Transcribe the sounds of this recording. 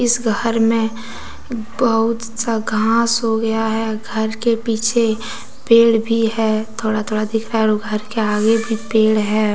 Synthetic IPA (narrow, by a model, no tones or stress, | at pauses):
ɪsɡʱəɾmẽ | bəɦʊt̪saɡʱãːsɦoɡɐjaɦɛɡʱəɾkepiːt͡ʃʰe | peːɽbʱiɦɛːt̪ʰoːɽat̪ʰoːɽad̪ɪkʰɾaːɦɛɡʱəɾkeaːɡebʱipeːɽɦɛː